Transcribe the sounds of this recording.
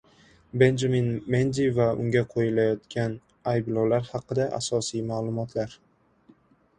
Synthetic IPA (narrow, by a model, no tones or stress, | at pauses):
be̞nd͡ʒaminmend̪ivaʊ̰ŋɡʲaqʰojɪlajɒt̪kʲʰan | ajblˠɒwlaɾhɑqɨd̪aʔa̰sɒsijmaːlˠʊmɒt̪ʰlaɾ